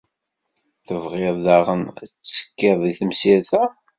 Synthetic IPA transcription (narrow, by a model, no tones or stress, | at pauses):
θəvʁeððaʁənæ̰t͡st͡sːə̥kːɪðˤiθəmsiɾθæ